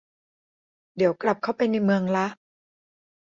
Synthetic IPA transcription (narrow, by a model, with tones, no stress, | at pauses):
di˩˦wkla˨˩p̚kʰa˦˥˩wpa˧jna˧jmɯ˧əŋla˦˥ʔ